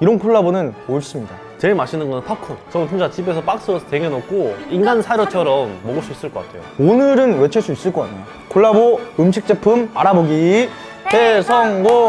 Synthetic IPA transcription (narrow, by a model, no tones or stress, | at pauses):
iɾʌnkʰoɭːabonɯnmoɯɭs͈ɯmɲida | t͡ɕeɭmaɕʰinɯnɡʌnntʰʌkʰɯnt͡ɕʌɯt͡ɕʰumd͡ʑ͈at͡ɕibe̞s̬ʰʌp͈ak̚s͈ɯʌsʰteŋenʌk̚k͈oinɡansʰaɾjʌt͡ɕʰʌɾʌmːʌɡɯɭs͈uis͈ɯɭk͈ʌk͈a̰tʰe̞jo̰onɯɾɯnwe̞t͡ɕʰɯɭs͈uis͈ɯɭk͈ʌka̰ɲːajo | kʰoɭːaboɯmɕ̬ʰik̚t͡ɕ͈epʰɯmaɾaboɡi | tesʰʌŋɡo